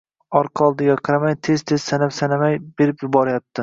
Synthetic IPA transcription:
ɒɾqʰɑɒlˠd̪ɪɡʲaqʰɨɾamajt̪ʰe̞z̥t̪ʰez̥sanapsanamajb̥e̞ɾɪpjʊbɒɾajap̚t̪ʰɪ

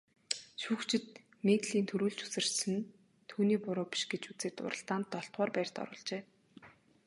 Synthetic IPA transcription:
ʃuːkt͡ɕʰɪ̆t̪ | met̪ɮiːnt̪ʰɵɾuːɮt͡ɕu̥sɘ̆rsɘ̆n | t̪ʰuːniːpʊɾʊːpi̥ʃɡ̥et͡ɕut͡seːt̪ʊ̰ɾə̆ɬt̪aːnt̪ːɔɬt̪ʁɔːrpæːr̥ʲt̪ɔ̰ɾʊ̰ːɮt͡ɕeː

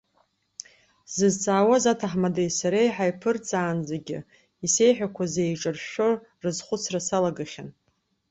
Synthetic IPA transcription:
z̥ɨzt͡sʼaːwazatʰaħmadejsaɾejħajpʰɨrt͡sʼaːnzaɡʲɪ̰ | ise̞jħᶣakʷʰazejʈ͡ʂʼɨrʃᶣo | rɨzχʷʊt͡sʰrasalaɡɨχʲan

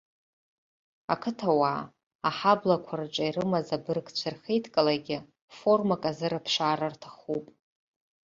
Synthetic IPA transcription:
akʰɨtʰawaː | aħablakʷʰarʈ͡ʂʼairɨmazabɨrkt͡ɕʷʰarχejtʰkʼalaɡʲɪ | fo̞rmakʼazɨɾɨpʰʂaːɾartʰaχupʼ

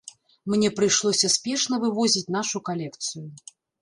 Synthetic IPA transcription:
mnʲɛpɾɨjʂlˠɔsʲɐspʲɛʂnɐvɨvɔzʲit͡sʲn̪aʂukalʲɛkt̪sɨju

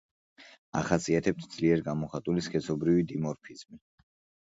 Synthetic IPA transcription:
a̰χasiat̪ʰɛp̚t̪ʰd̪z̥liɛɾɡamɔχat̪ʼuliskʰʼɛsɔbɾivid̪imɔɾpʰiz̥mi

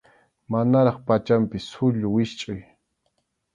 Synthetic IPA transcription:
manaɾɑχpat͡ʃampɪsʊʎʊwɪʃt͡ʃʼʊj

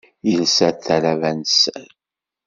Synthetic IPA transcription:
jəlsæθæɾævænsən

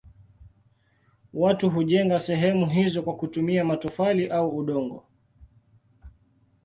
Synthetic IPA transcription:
watuɦuʄɛŋɡasɛɦɛmuɦizɔkwakutumiamatɔfaliʔauːɗɔŋɡɔ̰

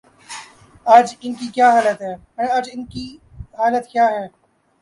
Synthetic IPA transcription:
aːd͡ʒɪnkikjaːɦaːlət̪ɦɛː | əɽ̃ẽɐd͡ʒɪnki | ɦaːlət̪kjaːɦɛː

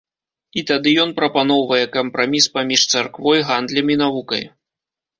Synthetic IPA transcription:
it̪ad̪ɨjɔn̪pɾɐpanɔwvɐjɛkɐmpɾamʲispamʲiʂt̪sarkvɔjɣand̪lʲɐmʲinavukɐ̰j

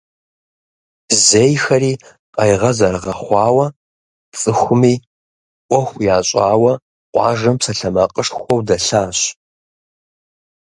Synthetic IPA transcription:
zejxɐɾiː | qʼɐjʁɐzɐrʁɐχʷɑːwɐ | t͡sʼɨxʷʊmiː | ʔʷɔxʷjaːɕʼɑːwɐ | qʷʼɑ̰ːʒɐmpsɐɬɐmɐqʼəʂxʷɔwdɐɬaːɕ

